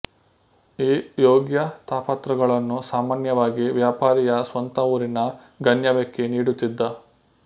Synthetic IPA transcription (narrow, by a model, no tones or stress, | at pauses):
iːjoːɡjɐt̪aːpɐt̪ɾɐɡɐɭɐnːusaːmaːnjɐʋaːɡiʋjaːpaːɾijɐsʋɐnt̪ɐuːɾinɐ | ɡɐnjɐʋekːeniːɽut̪ːid̪ːɐ